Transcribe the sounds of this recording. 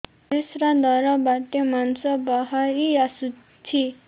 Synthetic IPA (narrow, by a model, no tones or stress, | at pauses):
t̪esɾad̪ʱʌɾʌbat̪emansʌbʌɦaɾiasu | t͡sʰi